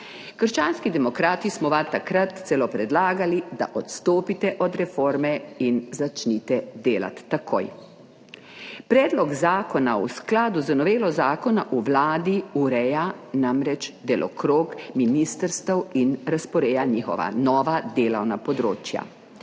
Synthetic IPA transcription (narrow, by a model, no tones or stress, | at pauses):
kəɾʃt͡ʃaːnskid̪ɛmɔkɾaːt̪ismɔʋat̪akɾat̪sɛlopɾɛd̪laːɡalid̪a̰ʔɔt̪st̪oːpit̪ɛʔɔd̪ɾɛfoːɾmɛinzat͡ʃnit̪ɛd̪eːla̰t̪ːakʰo̰ːj | pɾɛːd̪lɔɡzaːkɔnausklaːd̪uzənɔʋeːlɔzaːkɔnaʔuʋlaːd̪iuɾɛjanamɾɛt͡ʃd̪ɛlʔɔ̰kɾoːkminist̪əɾst̪əwinɾaspɔɾeːjaniːxɔ̰ʋa̰nɔːʋad̪eːlɐwnapɔd̪ɾoːt͡ʃja̰